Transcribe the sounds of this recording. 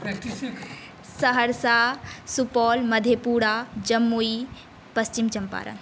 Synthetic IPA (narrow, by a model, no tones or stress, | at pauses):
səɦəɾsasupɔːlmɐd̪ʱjepuːɽad͡ʒɐmːui | pɐst͡ʃimt͡ʃɐmpa̰ːɾɐ̰n